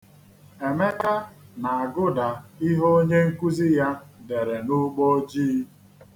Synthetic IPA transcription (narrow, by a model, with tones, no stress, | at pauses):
e˨me˦ka˦na˨a˨ɡʊ˦da˨i˦ɦo˦o˦ɲe˦ŋ̩˦ku˦zi˦ja˦de˨ɾe˨nʊ˦k͡po˦o˦d͡ʒi˦